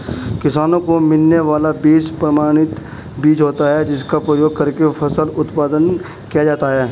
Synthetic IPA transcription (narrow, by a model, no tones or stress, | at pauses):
kɪsaːnõkomɪlneʋaːlabiːt͡ʃpɾɐmaːɽ̃ɪt̪ | biːt͡ʃɦoːt̪aɦɛd͡ʒɪskapɾəjoːɡ̚kɐɾkefʰɐsəlʊt̪paːd̪ən | kijad͡ʒaːt̪aɦɛː